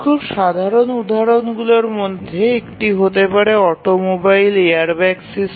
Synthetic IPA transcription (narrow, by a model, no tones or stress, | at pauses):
kʰubʃad̪ʱaɾonud̪ʱaɾonɡuloɾmod̪ʱːeekʈiɦot̪epaɾeɔʈomobajleaɾbɛksis